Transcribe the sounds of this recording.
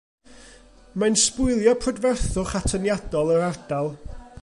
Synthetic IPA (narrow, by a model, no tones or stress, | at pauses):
manspʊɨlˠjɔpʰrɔdvɛrθʊχatʰənjadɔlˠəɾard̥alˠ